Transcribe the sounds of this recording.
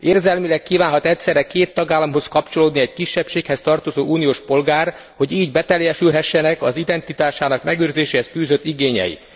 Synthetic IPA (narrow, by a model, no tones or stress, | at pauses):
eːrzɛlmilɛkːiːvaːnɦɒt̪ɛcʲsɛrɾɛkeːt̪ːɒɡaːlːɒmɦo̞skɒpt͡ʃo̞loːd̪niɛckiʃːɛpʃeːkhɛst̪ɒrt̪o̞zoːuːnijoːʃpo̞lɡaːr | ho̞ɟiːɟbɛt̪ɛljɛʃylɦɛʃːɛnɛkɒzid̪ɛnt̪it̪aːʃaːnɒkmɛɡøːrzeːʃeːhɛskyːzøt̪ːiɡeːɲɛ̰jḭ